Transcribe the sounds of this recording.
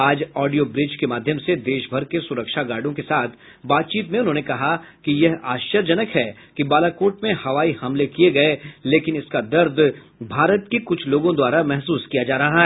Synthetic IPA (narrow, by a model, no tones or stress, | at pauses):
aːd͡ʒɔːɖijobɾɪd͡ʒkemaːd̪ʱjəmsed̪eːʃbʱɐɾkesʊɾəkʃaɡaːɾɖõkesaːt̪ʰ | baːt̪̚t͡ʃiːt̪mẽʊnɦõːnekɐɦakijɛɦaːʃjəɾd͡ʒɐnəkɦɛː | kibaːlakoːʈmẽhɐʋaːihɐmlekieɡɐeleːkɪnɪskad̪ɐɾd̪ | bʱaːɾət̪kekʊt͡ʃʰloːɡõd̪waːɾamɛɦsuːskijad͡ʒaːɾɐɦaɦɛː